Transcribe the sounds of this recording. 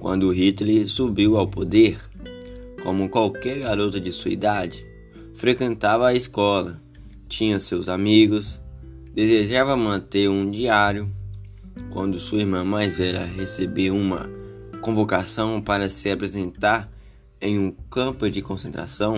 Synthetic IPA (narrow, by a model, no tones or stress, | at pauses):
kwɐ̰̃nd̪ʊʊɦit̪lisubiwawpod̪eɾ | kõ̰mʊkwawkɛɾɡaɾot̪ʊd͡ʒɪsuḭd̪ad͡ʒɪ | fɾekwẽnt̪avɐːiskɔlɐ | t͡ʃĩɲɐ̃sewzamiɡʊs | d̪ezeʒavɐmɐ̃nt̪eɾũd͡ʒiaɾjʊ | kwɐ̰̃nd̪ʊsuɐiɾmɐ̃majzvɛʎɐɦesebeɾũmɐ̰ | kõvokasɐ̃w̃paɾɐsɪapɾezẽnt̪aɾ | ẽj̃ũkɐ̃pʊd͡ʒɪkõsẽnt̪ɾa̰sɐ̃w̃